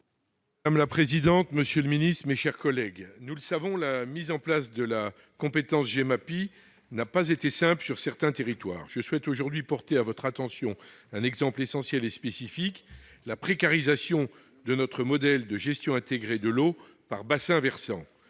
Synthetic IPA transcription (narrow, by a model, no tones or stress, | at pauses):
maamlapχezid̪ɑ̃t̪məsjøləminist̪χmeʃɛʁkɔlɛɡnuləsavɔ̃lamizɑ̃plasd̪əla | kɔ̃pet̪ɑ̃sʒemapi | napazet̪esɛ̃plsyʁsɛʁt̪ɛ̃t̪eʁit̪wa̰ːʁʒəswɛt̪oʒuʁd̪ɥipɔʁt̪eavɔt̪χat̪ɑ̃sjɔ̃ɛ̃nɛɡzɑ̃plesɑ̃sjɛlespesifik | lapχekaʁizasjɔ̃ | d̪ənɔt̪χəmɔd̪ɛld̪əʒɛst̪jɔ̃ɛ̃t̪eɡʁed̪əlo | paʁbasɛ̃vɛʁsɑ̃